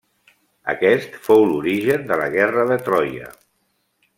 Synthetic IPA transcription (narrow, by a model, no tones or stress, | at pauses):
ə̰kɛst̪fowluɾiʒənd̪ələɣɛrəðət̪ɾɔjə̰